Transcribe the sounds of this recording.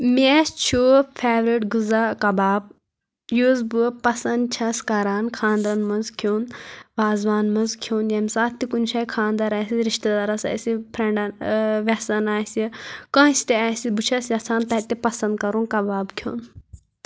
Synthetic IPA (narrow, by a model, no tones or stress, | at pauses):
mʲest͡ʃʰuːpʰeːʋɾiʈɡuzakɐbaːb̚ | juːzbupɐsɐnd̪̚t͡ʃʰɐskɐɾaːnkʰãːnd̪ɾɐnmɐnzkʰoːnʋaːzʋaːnmɐnzkʰoːnjɐmsaːt̪ːikunʃʰɐːjkʰãːnd̪ɐɾaːsiɾiʃt̪ɐd̪aɾɐsa̰ːsipʰɾɐɳɖɐnʋʲɐsɐnaːsikɐ̃ːsʲt̪eaːsibut͡ʃʰɐsjɐt͡sʰaːnt̪ɐt̪epɐsɐ̃nd̪̚kɐɾunkɐbaːbkʰjo̰ːn